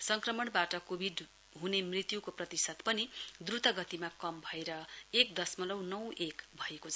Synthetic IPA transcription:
sʌŋkrʌmʌɳbaʈʌkobʱiɖ | ɦunemrit̪jukoprʌt̪isʌt̪pʌnid̪rut̪ʌɡʌt̪imakʌmbʱʌeɾʌek̚d̪ʌsmʌlʌwnʌwekbʱʌekot͡sʰ

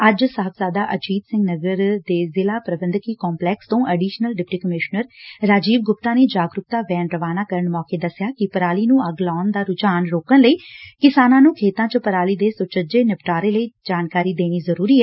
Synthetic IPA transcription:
əd͡ʒsəɦəbzaːd̪aːʔəd͡ʒiːd̪sɪ̃ŋɡnəɡəɾd̪eːzɪlaːpɾəbənd̪kiːkɔːmplɛːkst̪õːʔəːɖiːʃnəlɖɪpʈiːkəmɪʃnəɾɾaːd͡ʒiːʋɡʊpt̪aːneːd͡ʒaːɡɾʊp̚t̪aːʋɛːnɾəʋaːnaːkəɾəɳmɔːkeːd̪əsːɪjaːkɪpəɾaːliːnũːəɡlɔːnd̪aːɾʊd͡ʒaːnɾoːkənləiːkɪsaːnãːnũːkʰeːt̪ãːt͡ʃəpəɾaːliːd̪eːsʊt͡ʃəd͡ʒeːnɪpʈaːɾeːləiːd͡ʒaːnkaːɾiːd̪eːniːzəɾuːɾiːɦɛː

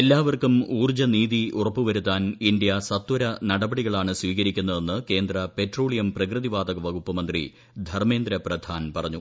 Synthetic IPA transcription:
elːaːʋɐrkumuːrd͡ʑɐniːðiurɐpːuʋɐɾut̪ːaːnindjɐsɐt̪ːwɐɾɐnɐɽɐbɐɽiɣɐɭaːɳɨswiːɣɐɾikʲːunːɐðe̞nːɨke̞ːnd̪rɐpe̞tro̞ːɭijɐmprɐkrɨðiʋaːd̪ɐɣɐʋɐɡupːɐmɐnd̪rḭ | d̪ʱɐrme̞ːnd̪ɾɐprɐd̪ʱaːnpɐrɐɲːu

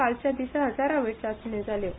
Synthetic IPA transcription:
alt͡ɕjad̪iɕaɦəd͡zaɾaʋeʈsat͡suɳed͡zʱale

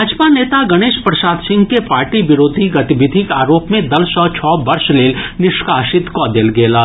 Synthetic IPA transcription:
aːd͡ʒpaneːt̪aɡɐɽ̃eːʃpɾɐʃaːd̪sɪ̃ŋɡkepaːɾʈiʋɪɾoːd̪ʱiɡɐt̪ɪʋɪd̪ʱɪkaːɾoːpmẽd̪ɐlsɔt͡ʃʰɔːbɐɾʃleːlnɪʃkaːʃɪt̪kɔːd̪eːlɡeːlaː

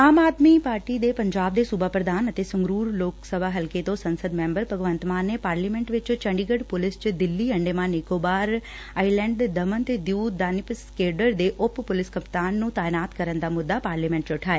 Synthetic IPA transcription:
aːmaːd̪mipaːɾʈid̪epəɲd͡ʒaːb̚d̪esubʱapɾəd̪ʱaːnət̪esə̃ŋɡɾuːɾloːksəbʱaɦəlket̪osənsəd̪mẽmbəɾbʱəɡʋə̃nt̪mãnːepaːɾlimẽɳʈʋɪt͡ʃt͡ʃəɳɖiɡəɽpolɪst͡ʃd̪ɪlːiəɳɖemãnekobaɾ | ailɛ̃ɳɖd̪əmənt̪d̪juːd̪aːnɪpskeɖəɾd̪eʔoppolɪskəpt̪anːũt̪aːenaːt̪kəɾənd̪amʊd̪ːapaːɾlimẽɳʈ̚t͡ʃoʈʰaːe

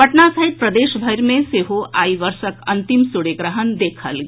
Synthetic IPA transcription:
pəʈnasəɦit̪̚pɾəd̪eːʃbʱəjɾmẽseɦoʔa̰ːiʋəɾʃəkɐ̃nt̪imsʊɽeɡɾəɦənd̪eːkʰəlɡe

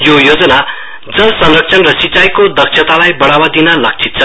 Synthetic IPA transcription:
jojod͡zʌna | d͡zʌsʌnrʌk̚t͡sʰʌnrʌsit͡sajkod̪ʌksʰʌt̪alajbʌɽawad̪inʌlʌk̚t͡sʰit̪̚t͡sʰʌ

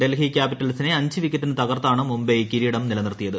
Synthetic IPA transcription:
ɖe̞lɦikʲjaːpiʈːɐlsineɐɲd͡ʑɨʋikʲːeʈːinɨt̪ɐɣɐrt̪ːaːɳɨmumbekiɾiɽɐmnilɐnirt̪ijɐðɨ

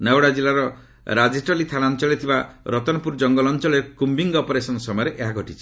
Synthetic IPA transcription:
nawɽad͡ʒilaɾɔ | ɾad͡ʒisʈɔlit̪ʰanant͡ʃɔlet̪ʰibaɾɔt̪ɔnɔpuɾd͡ʒɔŋɡɔlɔnt͡ʃɔleɾkumbiŋɡɔpɔɾesɔnɔsɔmɔjɔɾeʔeɦaɡʱɔʈit͡ʃʰi̥

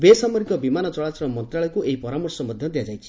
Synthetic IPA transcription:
besamɔɾikɔbimanɔt͡sɔɭat͡ʃɔɾɔmɔnt̪ɾaɭɔjkuʔeipɔɾamɔrsɔmɔd̪ʱjʌd̪jad͡ʒajt͡ʃʰi̥

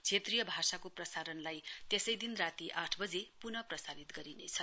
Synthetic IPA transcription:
t͡sʰet̪rijʌbʱasakoprʌsaɾʌnlajt̪esʌjd̪inrat̪iʔaʈʰbʌd͡zepunʌprʌsalit̪ɡʌɾinet͡sʰʌ

